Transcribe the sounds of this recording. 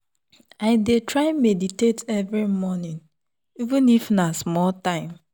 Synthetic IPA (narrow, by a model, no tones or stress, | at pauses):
aɪdetɹaɪmeditetɛvɹimɔnĩn | ivũnifnasmɔltãɪ̃m